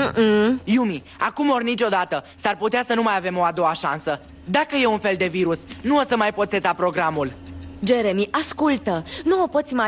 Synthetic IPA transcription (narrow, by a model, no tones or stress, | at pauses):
jumi | a̰kumo̞rnit͡ʃʲo̞d̪at̪ə | sarput̪easənumajave̞mo̞ad̪o̞aʃa̰nsə | d̪akəje̞unfe̞ld̪e̞viɾusnuosəmajpo̞t̪se̞t̪apɾo̞ɡɾamuld͡ʒe̞ɾemiʔaskult̪ənuopo̞t̪sʲima